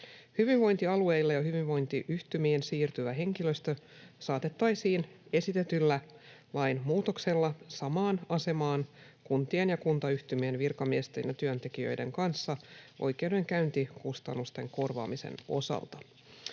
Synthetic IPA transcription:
hyʋiʋʋo̞jnt̪iɑlue̞jlːɑjɑhyʋiʋʋo̞jnt̪iʔyht̪ymiensiːrt̪yʋæɦe̞ŋkiløst̪ø | sɑːt̪e̞t̪ːɑjsiːn | e̞sit̪et̪ylːæ | lɑjnmuːt̪okse̞lːɑsɑmɑːnɑse̞mɑːn | kunt̪ienjɑkunt̪ɑyht̪ymienʋirkɑmiest̪ḛnjɑt̪yønt̪e̞kijø̰jde̞̰ŋkɑnsːɑʔo̞̰jke̞wde̞ŋkæynt̪ikust̪ɑnːust̪e̞̰ŋko̞rʋɑ̰ːmisḛno̞̰sɑ̰lt̪ɑ

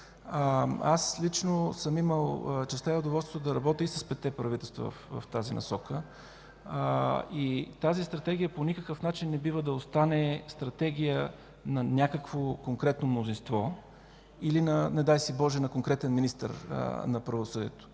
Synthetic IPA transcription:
aslit͡ʃnosəmiməlˠt͡ʃɛst̪aɛoʊd̪ovɔlˠst̪ot̪od̪ɐɾɐbɔt̪ʲəisɐ̥spɛt̪ɛpɾɐvit̪ɛlˠst̪vɐ̰və̰fvə̰ft̪azinɐ̰sɔkə | it̪azist̪ɾɐt̪ɛɡʲijəponikəkəfnat͡ʃinːɛbivəd̪ɐost̪anɛst̪ɾɐt̪ɛɡʲijə | nɐnʲakəkvokoŋkɾɛt̪nomnozinst̪vɔ | ilinɐnɛd̪ajsibɔʒɛnɐkoŋkɾɛt̪ɛnminist̪ə̰ɾ̰nɐpɾɐvosɤd̪ḭɛt̪o̥

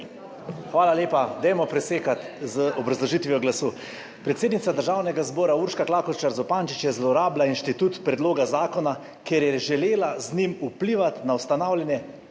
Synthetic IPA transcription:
xʋaːlaleːpad̪ɛjmɔpɾɛseːkat̪ | zəɔbɾɐzlɔʒit̪ʋijɔɡlasuː | pɾɛt̪seːd̪nit̪sad̪əɾʒaːwnɛɡazbɔːɾauɾʃkaklaːkɔt͡ʃaɾzɔpaːnt͡ʃit͡ʃjɛzlɔɾaːblainʃt̪it̪uːt̪pɾɛd̪loːɡazaːkɔna | keɾjɛʒɛleːlaznʲimupliːʋat̪nawst̪anaːwlʲɛnjɛ

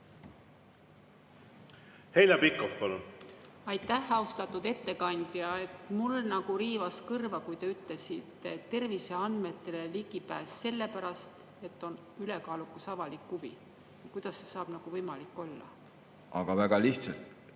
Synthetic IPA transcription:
hejlʲɑpikːofpɑlun | ɑjt̪ˑːæhɑust̪ɑt̪ːˑud̪e̞t̪ːe̞kɑnʲd̪̥jɑe̞t̪mulnɑɡ̥uɾiːvɑskɤrvɑkujt̪e̞yt̪le̞sit̪ːˑe̞t̪e̞rvise̞ɑnd̪̥me̞t̪ːe̞leliɡ̥ipæ̰ːsːe̞lːe̞pæɾɑst̪ | e̞t̪ːˑo̞n | yle̞kɑːlukːusɑvɑlikːuvḭ | jɑkujd̪̥ɑsːesɑːb̥nɑɡ̥uvɤjmɑlikːˑo̞lːɑ̰ | ʔɑ̰ɡ̥ɑvæɡ̥ɑliht̪sɑlt̪

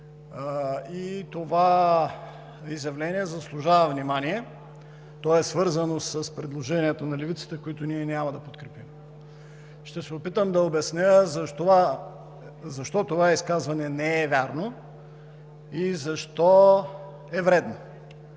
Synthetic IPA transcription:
it̪ova | izjɐvlɛniɛzɐslˠʊʒavɐvnimaniɛ | t̪ɔɛsvɤɾzɐnosɐspɾɛd̪lˠoʒɛnʲiɛt̪onɐlɛvit̪sə̥t̪ɛkoit̪ʊniɛnʲamɐd̪ɐpot̪̚kɾɛpim | ʃt̪ɛsɛopit̪əmd̪ɐobɛsnʲəzɐʃt̪ova | zɐʃt̪ɔt̪ovaiskazvɐnɛnɛːvʲaɾno | izɐʃt̪ɔ | ɛvɾɛd̪no

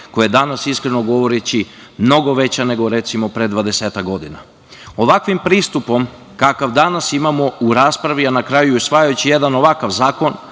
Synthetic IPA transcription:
ko̞jajed̪anasiskɾe̞no̞ɡo̞ʋo̞ɾet͡ɕimno̞ɡo̞ʋe̞t͡ɕane̞ɡo̞ɾe̞t̪simo̞pɾe̞d̪ʋad̪e̞seːt̪akɡɡo̞d̪ina̰ | o̞ʋakʋimpɾiːst̪upo̞m | kakaʋd̪anasimamo̞uɾaːspɾaʋianakɾajuusʋajajut͡ɕije̞d̪ano̞ʋakaʋzaːko̞n

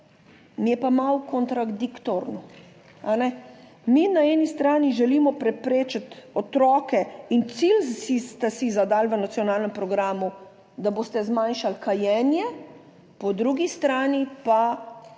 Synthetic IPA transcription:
mjɛpamawkɔnt̪ɾad̪ikt̪oɾnɔ | anɛ | minaɛːnist̪ɾaːniʒɛlimɔpɾɛpɾeːt͡ʃat̪ɔt̪ɾɔːkɛint̪silsist̪asizad̪alʋənat̪sjɔnaːlnɛmpɾɔɡɾaːmu | d̪aboːst̪ɛzmanʃalkajɛːnjɛ | pɔd̪ɾuɡist̪ɾaːnipa

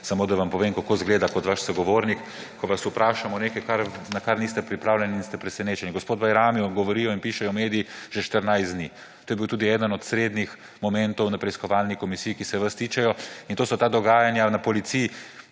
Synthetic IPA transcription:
samoːd̪aʋampɔʋeːmkakozɡleːd̪akɔt̪ʋaʃsɐɡɔʋoːɾnik | kɔʋasupɾaːʃamɔnekajkaɾnakaɾnist̪ɛpɾipɾaːwlʲɛniːnst̪ɛpɾɛsɛneːt͡ʃɛniɡospoːd̪̚bajɾaːmiɔɡɔʋɔɾiːjɔinpiːʃɛjɔmeːd̪ijiʒ̥ɛʃt̪əɾnajsd̪ni | t̪oːjɛbiwt̪uːd̪iɛːd̪ənɔt̪sɾeːd̪nix | mɔmɛnt̪ɔwnapɾɛiskɔʋaːlnikɔmisiːikisɛʋast̪iːt͡ʃɛjɔint̪oːsɔt̪aːd̪ɔɡaːjanjanapɔlit̪si

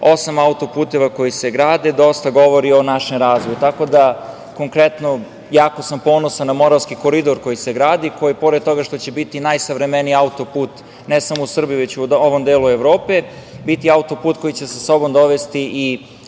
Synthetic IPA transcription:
o̞samaut̪o̞puːt̪eʋako̞jiseɡɾaːd̪e̞d̪o̞st̪aɡoʋo̞ɾio̞naʃemɾaːzʋojut̪ako̞d̪a | ko̞ŋkɾet̪no | jaːko̞sampo̞ːnosanːamo̞ɾaʋskiko̞ɾid̪o̞ɾko̞jiseɡɾaːd̪iko̞jipo̞ɾed̪̚t̪o̞ɡaʃt̪o̞t͡ɕebit̪inajsaʋɾemeniiaut̪o̞puːt̪ | nesamo̞usr̩bijiʋet͡ɕuoʋo̞md̪eːlue̞ʋɾoːpebit̪iaut̪o̞puːt̪ko̞jit͡ɕe̞saso̞bo̞md̪o̞ʋest̪iʔi

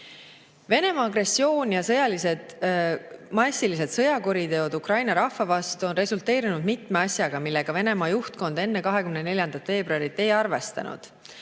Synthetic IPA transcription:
ve̞ne̞mɑːɡre̞sːio̞ːnjɑsɤjɑlise̞d̪̥ | mɑsʲilis̬e̞d̪̥sɤ̞jɑkuɾid̪e̞o̞d̪̥ukrɑjnɑɾɑhːɑvɑst̪uo̞nre̞sult̪ːˑe̞ːɾinud̪mit̪ˑme̞ɑsʲjɑɡ̥ɑmilːe̞ɡ̥ɑve̞ne̞mɑːjuht̪̚ko̞nd̪e̞nːe̞kɑɦe̞kymnene̞lʲjɑnd̪̥ɑt̪ve̞ːbruɑɾit̪ːˑe̞jɑrve̞st̪ɑ̰nṵd̪̥

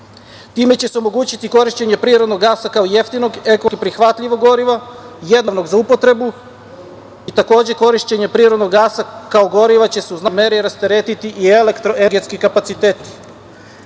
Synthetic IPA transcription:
t̪iːme̞t͡ɕe̞seo̞mo̞ɡuːt͡ɕit̪iko̞ɾiʃt͡ɕe̞ɲe̞pɾiːɾo̞d̪noɡːaːsakaoje̞ft̪ino̞ɡe̞kopɾixʋat̪ʎiʋo̞ɡo̞ɾiʋaje̞d̪naʋno̞ɡzaupo̞t̪ɾe̞bu | it̪ako̞ːd͡ʑe̞ko̞ɾiʃt͡ɕe̞ɲe̞pɾiːɾod̪noɡːaːsakao̞ɡo̞ɾiʋat͡ɕe̞seuznameɾiɾast̪eɾet̪it̪iʔielekt̪ɾoʔeɡet̪skikapat̪sit̪eːt̪i̥

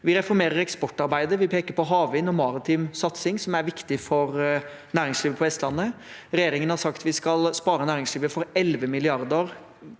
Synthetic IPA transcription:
ʋɪɾɛfɔɾmeːɾəɾɛkspɔʈːɑɾbæɪd̪əʋɪpʰeːkəɾpɔɦɑːʋɪnɔmɑːɾɑt̪ʰiːmsɑt̪sɪŋsɔmæɾʋɪkt̪ɪfɔɾ | næːɾɪŋsliːʋəpʰɔɛst̪lɑnːəɾɛjeːɾɪŋənhɑɾʂɑkt̪ʋɪskɑlspɑːɾənæːɾɪŋsliːʋəfɔɾɛlʋəmɪlɪɑɾd̪əɾ

